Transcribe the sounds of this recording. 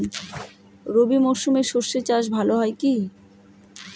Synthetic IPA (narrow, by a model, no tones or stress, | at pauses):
n | ɾobimɔʃumeɾʃoɾʃet͡ɕaʃ̬bʱaloɦɔeki